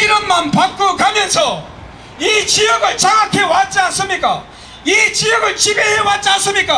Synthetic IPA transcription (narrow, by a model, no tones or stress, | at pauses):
iɾʌnmanpak̚k͈okamjʌnsʰʌ | it͡ɕijʌɡɯɭt͡ɕaŋakʰewat͡ɕ͈ans͈ɯmɲik͈a | it͡ɕijʌɡɯɭt͡ɕibeɦewat͡ɕ͈ans͈ɯmɲik͈a